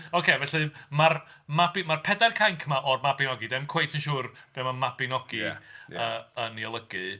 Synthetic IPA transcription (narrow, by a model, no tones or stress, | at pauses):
okʰevɛɬɨmar | mabɪmarpʰɛdarkʰajŋkʰmaʔɔrmabɪnɔɡidɛmkʰw̥ejtʰənʃuːrb̥ɛmamabɪnɔɡ̥iəːənjɔlˠəɡɨ